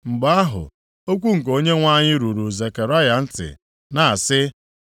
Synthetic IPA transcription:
ŋ͡m̩˨ɡ͡ba˦a˦ɦʊ̰˨ | o˦kʷu˦ŋ̩˨k̬o˦ɲe˦ŋʷa˦˨ɲɪ˦ɾu˨ɾu˨ze˨ke˨ɾa˦ja˨n̩˦tɪ̰˨ | na˨a˨sɪ˦

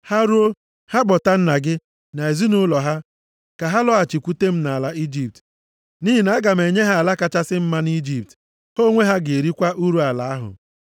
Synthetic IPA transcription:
ha˦ɾu˦o˦ | ha˦bɔ˨ta˦n̩˦na˨ɡɪ˦ | na˨e˨zi˦nʊ˦lɔ˨ɦa˦ | ka˨ɦa˦lɔ˦a˨t͡ʃi˨kʷu˦te˦m̩˦na˨la˦i˦d͡ʒi˨p̚t | ni˦ɦi˨na˨˦a˦ɡa˨m̩e˨ɲe˦ɦa˦a˨la˦ka˦t͡ʃa˦sɪ˦m̩˦ma˦ni˦d͡ʒi˨p̚t | ho˦ŋʷe˦ɦa˦ɡe˨ɾi˦kʷa˦ʔu˦ɾu˦a˨la˨a˦ɦʊ̰˨

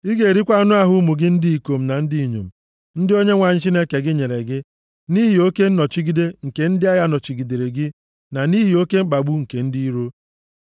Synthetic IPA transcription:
i˦ɡe˨e˨ɾi˦kʷa˦nʊ˦a˦ɦʊ˦mu˨ɡɪ˦n̩˦di˦i˨ko˨m̩˨na˨n̩˦dɪ˦i˨ɲo̰˨m̩˨ | n̩˦dɪ˦o˦ɲe˦ŋʷa˨ɲ̩˦t͡ʃi˦ne˦ke˨ɡɪ˦ɲe˨ɾe˨ɡɪ˦ | ni˦ɦɪ˨o˦ke˦n̩˦nɔ˨t͡ʃi˦ɡi˦de˦ŋ̩˨ke˨n̩˦dɪ˦a˦ja˦nɔ˨t͡ʃi˨ɡi˨de˨ɾe˨ɡɪ˦ | na˨ni˦ɦɪ˨o˦ke˦ŋ͡m̩˦k͡pa˨ɡ͡bu˦ŋ̩˨ke˨n̩˦di˦i˦ɾo˦

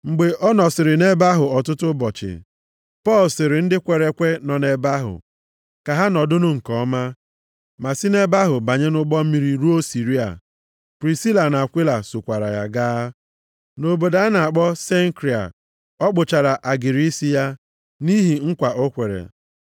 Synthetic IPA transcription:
ŋ͡m̩˨ɡ͡be˨ʔɔ˦nɔ˨sɪ˨ɾɪ˨ne˦ba˦ɦʊ˨ɔ˨tʊ˦tʊ˦bɔ˨t͡ʃɪ̰˨ | pɔ˦˨lsɪ˨ɾɪ˨n̩˦dɪ˦kʷe˨ɾe˨kʷe˦nɔ˨ne˨ba˦ɦʊ̰˨ | ka˨ɦa˦nɔ˨dʊ˦nʊ˦ŋ̩˨kɔ˦ma˦ | ma˨si˦ne˦ba˦ɦʊ˨ba˨ɲe˦nʊ˦ɡ͡bɔ˦m̩˦mi˦ɾi˦ɾu˦o˦si˨ɾi˦a̰˨ | pɾi˨si˦la˨na˨a˨kʷi˦la˨sʊ˨kʷa˨ɾa̰˨ja̰˦ɡaː˦ | no˨bo˨da˨a˦na˨a˨k͡pɔ˦se˦ŋ˦kɾi˨a̰˨ | ɔ˦k͡pʊ˨t͡ʃa˨ɾa˨ʔa˨ɡi˨ɾi˦si˦ja˦ | ni˦ɦi˨ŋ̩˦kʷa˨ʔo˦kʷe˨ɾḛ˨

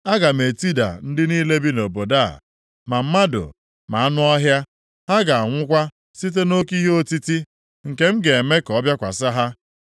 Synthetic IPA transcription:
a˦ɡa˨me˨ti˦da̰˨n̩˦dɪ˦niː˦le˦bi˦no˨bo˨da̰˦˨ | ma˨m̩˦ma˦dʊ̰˨ | ma˨a˦nʊ˦ɔ˦ɦja˦ | ha˦ɡa˨a˨ŋʷʊ˦kʷa˦ | si˦t̬e˦no˦ki˦ɦo˦ti˦ti˦ | ŋ̩˨ke˨˦m̩˦ɡe˨me˦kɔ˦bja˦kʷa̰˨sa˦ɦa˦

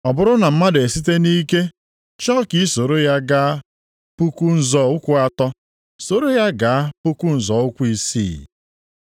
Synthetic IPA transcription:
ɔ˨bʊ˨ɾʊ˦na˨m̩˦ma˦de˨si˦t̬e˦ni˦ke˦ | t͡ʃɔ˦ki˦so˨ɾo˦ja˦ɡa˦a˦ | pu˦ku˦n̩˦zɔ˨ʊ˦kʷʊ˦a˦tɔ˦ | so˨ɾo˦ja˦ɡa˨a˦pu˦ku˦n̩˨zɔ˨˦ʊ˦kʷu˦i˦sḭː˦˨

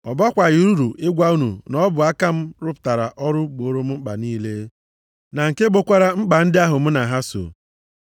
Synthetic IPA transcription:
ɔ˨ba˦kʷa˨ɣi˨ɾu˦ɾṵ˨ʔɪ˦ɡʷa˦u˦nṵ˨nɔ˦bʊ˨a˦ka˦m̩˦ɾʊ˦pta˨ɾa̰˨ʔɔ˦ɾʊ˦ɡ͡bo˨˦ɾo˦m̩˦ŋ͡m̩˦k͡pa̰˨niː˦le˦ | na˨ŋ̩˨ke˦ɡ͡bo˦kʷa˦ɾa˨ŋ͡m̩˦k͡pa˨n̩˦dɪ˦a˦ɦʊ˨m̩˦na˨ɦa˦so̰˨

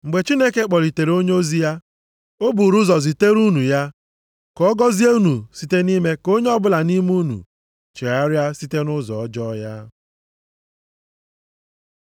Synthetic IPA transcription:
ŋ͡m̩˨ɡ͡be˨t͡ʃi˦ne˦ke˦k͡pɔ˨ɾi˨te˨ɾo˦ɲe˦o˦zi˦ja˦ | o˦bu˨ɾu˦zɔ˨zi˨te˦ɾu˦nu˨ja˦ | kɔ˦ɡɔ˦zi˦e˦u˦nu˨si˦te˦ni˦me˦ko˦ɲe˦ɔ˦bʊ˦la˨ni˦mu˦nṵ˨ | t͡ʃe˨a˦ɾja˦si˦te˦nʊ˦zɔ˨ɔ˦d͡ʒɔ˦ja˦

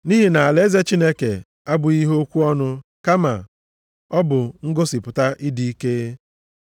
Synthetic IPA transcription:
ni˦ɦi˨na˨a˨le˦ze˦t͡ʃi˦ne˦kḛ˨ | a˦bʊ˨i˦ɦo˦kʷu˦ɔ˦nʊ˦ka˦ma̰˨ | ɔ˦bʊ˨ŋ̩˦ɡo˦si˨pʊ˨ta˦ʔi˦di˨i˦ke˦

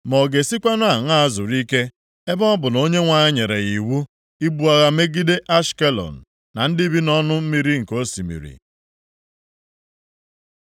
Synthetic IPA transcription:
mɔ˨ɡe˨si˦kʷa˦nʊ˦a˨ŋ˦˨zʊ˨ɾi˦ke˦ | e˦bɔ˦bʊ˨no˦ɲe˦ŋʷa˨ɲɪ˦ɲe˨ɾe˨i˨wu˦ | i˦bu˦a˨ɣa˦me˦ɡi˦de˦ʔa˦ʃke˦lɔ̰˨n̩˨ | na˨n̩˦dɪ˦bi˦nɔ˦nʊ˦m̩˦mi˨ɾi˦ŋ̩˨ko˦si˨mḭ˨ɾḭ˨

